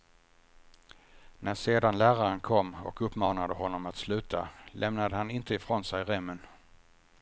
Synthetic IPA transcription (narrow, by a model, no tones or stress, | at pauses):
næɾseːd̪anlæːɾaɾənkʰɔmːɔ̰kɵpːmɑːnad̪əhɔnːɔmat̪slʉ̟ːt̪ʰa̰lʔɛmnad̪əhanɪnt̪əɪfɾoːnsɛjɾɛmːən